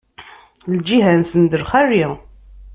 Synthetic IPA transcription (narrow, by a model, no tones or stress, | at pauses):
ld͡ʒiɦænsənd̪əɾχæri